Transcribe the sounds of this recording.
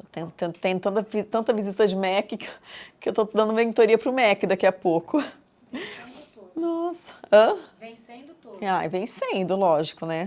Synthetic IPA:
t̪ẽj̃t̪ẽt̪ẽj̃ʊt̪ɐ̃t̪ɐvit̪ɐ̃nt̪ɐvizit̪ɐd͡ʒɪmɛkɪkɪewt̪od̪ɐ̃nd̪ʊmeĩt̪oɾiɐpɾʊmɛkɪd̪akiɐpokʊ | nɔsɐ̥ɐ̃vẽjsẽd̪ʊuavẽj̃sẽd̪ʊlɔʒikʊnɛ

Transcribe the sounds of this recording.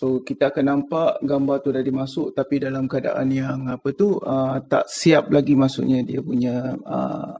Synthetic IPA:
sokit̪aːkanːampaʔɡambart̪udadimasʊʔt̪apidalamkəada̰ʔanjaŋapət̪uət̪a̰ʔsiap̚laɡimasʊ̰ʔɲadiapuɲãə̰

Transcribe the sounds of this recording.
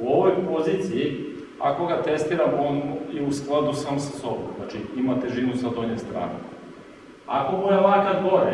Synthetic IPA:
uo̞ʋo̞jpo̞ziːt̪siji | a̰ko̞ɡat̪e̞st̪iːɾamonuiusklˠad̪usaːmosaso̞bo̰mznat͡ʃiimat̪e̞ʒinusad̪oɲest̪ɾa̰ːnḛ | ako̞bojalakad̪boɾe

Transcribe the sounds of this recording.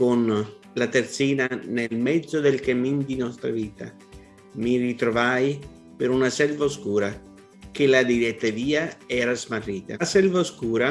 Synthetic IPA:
kon | lat̪ert̪siːnanelmɛd̪zːod̪elkamind̪inɔst̪ɾa̰viːt̪ʰa | mirit̪ɾovaj | peɾunasɛlvaoskuːɾa | k̟elad̪ilɛt̪ːaviːaɛːɾazmarːiːt̪asɛlvaoskuːɾa

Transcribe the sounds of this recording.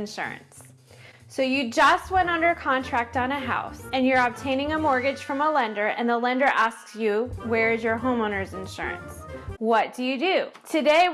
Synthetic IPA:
nʃʊ̰ɹɨ̰̃nsː | oʊjɨd͡ʒʌst̚wɛ̃ñʌ̃ndə˞ɨkʰɑ̃ntʰɹ̥æk̚tn̩ɨɦa̰ʊsɨ̃njə˞əb̚tʰẽɪ̃ñɪ̃ŋəmɔɹɡɨd̥ʒ̥fɹʌ̃məlɛ̃ndə˞ʔɨ̰̃nðəlɛ̃ndə˞ʔæsksjɨwə˞ɨzjə˞ɦõʊ̃mõʊ̃nə˞zɨ̃nʃʊ̰ɹɨ̰̃nswʌt̚d̥ɨjɨdʉtʰɨdeɪ

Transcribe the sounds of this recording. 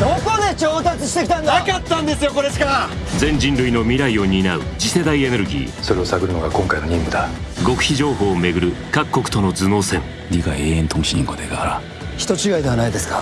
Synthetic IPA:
d̪okod̪et͡ɕoːt̪at͡sɨɕi̥t̪e̞kʲi̥t̪ãnd̪akat̪ːãnd̪esɨjokoɾeɕi̥ka | d͡zẽ̞ɲ̟d͡ʑĩnɾɯ̟ino̞mʲiɾaio̞ɲ̟inaɯ̟̰d͡ʑise̞d̪aie̞ne̞ɾɯ̟ɡʲḭːso̞ɾe̞o̞saɡɯ̟ɾɯnoɡakõ̞ŋkaino̞ɲĩmɡɯ̟d̪aɡo̞kɯ̟̥çiʑo̞ːɦo̞ːme̞ɡɯ̟ɾɯ̟kakːo̞kɯ̟̥t̪o̞no̞d͡zɨno̞ːsẽ̞ŋ | ɾʲiɡaeːẽnt̪ʰoŋt͡ɕiɲʲĩŋɡod̪eɡaɾa | çi̥t̪o̞t͡ɕiɡaid̪e̞anaid̪e̞sɨ̥kḁ

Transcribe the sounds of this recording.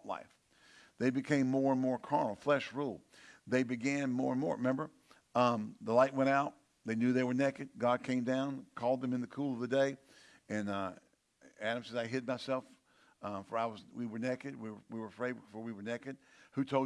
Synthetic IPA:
la̰ɪf | ðeɪbɨkʰẽɪ̃mːɔɹə̃nmɔɹkʰɑɹnl̩ˠflɛʃɹulˠðeɪbɨɡæ̃nmɔɹɨ̃nmɔ̰ɹɨmɛ̃mbə˞ | ʌ̃mðəlaɪt̚wɛ̃ɾ̃aʊt̪̚ | ðeɪnjʉðeɪwə˞nɛkɨd̚ɡɑd̚kʰẽɪ̃mdãʊ̃nkʰɔlˠd̪̚ðɨ̃mɨ̃nðɨkʰulˠʌvðɨdeɪ | ɨ̃nʌ | æɾɨ̃msɛzaɪɦɪd̚maɪsɛlˠf | ʌfə˞aɪwʌzwiwə˞nɛkɨd̚wiwə˞wiwə˞fɹeɪd̚fə˞wiwə˞nɛkɨd̥̚hʉtʰoʊ

